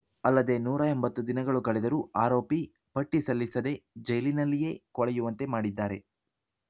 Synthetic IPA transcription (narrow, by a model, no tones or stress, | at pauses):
ɐlːɐd̪e̞nuːɾɐembɐt̪ːud̪inɐɡɐɭukɐɭɛd̪ɐɾuaːɾo̞ːpi | pɐʈːisɐlːisɐd̪e̞d͡ʒɐjlinɐlːije̞kɔɭɛjuʋɐnt̪e̞maːɽid̪ːaːɾe̞